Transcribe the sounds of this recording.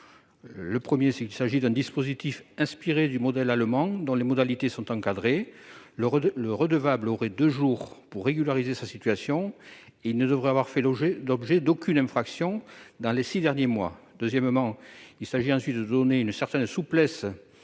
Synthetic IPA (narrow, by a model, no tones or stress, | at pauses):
ləpχəmjesɛkilsaʒid̪ɛ̃d̪ispozit̪ifɛ̃spiʁed̪ymɔd̪ɛlalmɑ̃d̪ɔ̃lemɔd̪alit̪esɔ̃t̪ɑ̃kad̪ʁelələʁəd̪əvabloʁɛd̪øʒuʁpuʁːeɡylaʁizesasit̪ɥasjɔ̃eilnəd̪əvʁɛavwaʁfɛlɔbʒed̪okynɛ̃fχaksjɔ̃d̪ɑ̃lesid̪ɛʁnjemwa̰ | d̪øzjɛmmɑ̃ilsaʒiɑ̃sɥit̪d̪əd̪ɔneynsɛʁt̪ɛnsuplɛs